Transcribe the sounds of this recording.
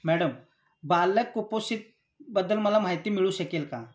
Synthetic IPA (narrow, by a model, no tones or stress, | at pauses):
mɛːɖəm | baːlːɐkːuposit̪̚ | bɐd̪əlmɐlamɦaːjt̪imɪɭusɐkelkãː